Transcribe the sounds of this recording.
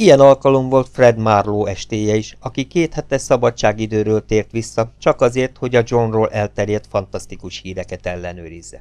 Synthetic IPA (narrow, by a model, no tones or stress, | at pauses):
ijɛnɒlkɒlo̞mvo̞lt̪frɛd̪marloːɛʃt̪eːjɛiʃɒkikeːt̪hɛt̪ɛʃsɒbɒt͡ʃːaːɡid̪øːɾøːlt̪eːrt̪ʋisːɒt͡ʃɒkɒzeːrt̪ho̞ɟɒd͡ʒo̞nroːlʔɛlt̪ɛɾjɛt̪fɒn̪t̪ɒst̪ikuʃhiːɾɛkɛt̪ɛlːɛnø̰ːɾizːɛ